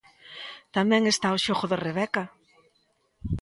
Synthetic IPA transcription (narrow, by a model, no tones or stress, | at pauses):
t̪amɛ̃ŋest̪aoʃoɣʊðɪreβɛka